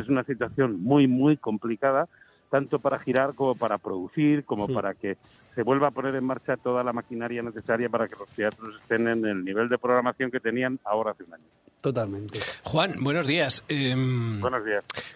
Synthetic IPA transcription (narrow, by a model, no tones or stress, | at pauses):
es̬unasit̪waθjo̞nmujmujko̞mplikað̞a | t̪ant̪o̞paɾaxiɾaɾko̞mo̞paɾapɾo̞ðuθiɾko̞mo̞paɾake̞ | se̞βwe̞lβaːpo̞ne̞ɾe̞maɾt͡ʃat̪o̞ð̞alamakinaɾjane̞θe̞saɾjapaɾake̞lo̞st̪e̞at̪ɾo̞se̞st̪e̞ne̞ne̞lniβ̞e̞ld̪e̞pɾo̞ɣ̞ɾamaθjo̞ŋke̞t̪e̞nianao̞ɾaaθeunaɲot̪ot̪almẽnt̪exwanbwe̞nozðiasembwenozðias